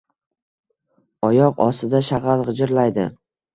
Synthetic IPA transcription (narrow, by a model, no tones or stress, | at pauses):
ɒjɒqɒ̰sɪd̪aʃaʁalʁɨd͡ʒɪɾlajd̪ɪ̰